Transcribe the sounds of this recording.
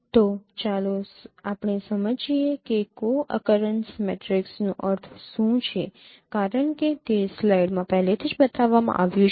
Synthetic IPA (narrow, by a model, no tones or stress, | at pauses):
t̪ot͡ʃaloapɳ̃esəməd͡ʒiekekoʔə̰kəɾənsmḛʈɾiksnũʔəɾt̪ʰʃũt͡ʃʰe | kaɾəɳket̪eslajɖmãpɛɦlet̪ʰid͡ʒbət̪aʋːamã̰ʔaʋjũt͡ʃ